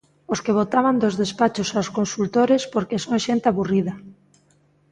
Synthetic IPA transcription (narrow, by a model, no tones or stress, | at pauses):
oskeβ̞ot̪aβand̪ozðespat͡ʃosawskonsult̪oɾespoɾkesoŋʃent̪ɪaβuriðɐ